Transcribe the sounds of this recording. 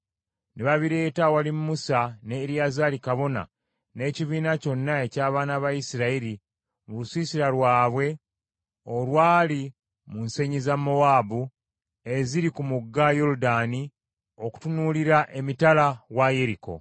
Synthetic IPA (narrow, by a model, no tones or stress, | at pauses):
neβaβiɾe̞ːtawalimmːusane̞ɾjazalikaβo̞na̰ | ne̞ːciβiːnaco̞nːae̞caːβaːnaβajisiɾaiɾi | mulusiːsiɾalwaːβwe̞ | olwaːli | munse̞ɲizamːo̞waːbu | e̞ziɾikumuɡːajoɾudaːni | o̞ku̥tunuliɾaʔe̞mitalawaje̞ɾiko̞̰